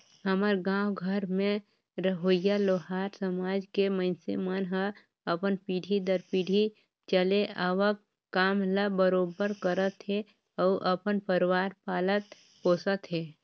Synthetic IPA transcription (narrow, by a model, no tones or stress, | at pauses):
ɦəməɾɡãːwɡʱəɾmẽ | ɾəɦoːjaloːɦaːɾsəmaːd͡ʒkeməɪnsḛmənɦə | əpənpiːɽʱid̪əɾpiːɽʱi | t͡ʃəleaːʋəkː | aːmləbəɾoːbəɾkəɾət̪ɦe | ɔːʔəpənpəɾwaːɾpaːlət̪̚ | poːsət̪ɦɛː